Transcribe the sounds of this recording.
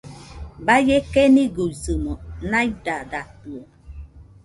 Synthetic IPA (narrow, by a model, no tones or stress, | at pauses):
bajekeniɡozɨmɔnaidadat̪uo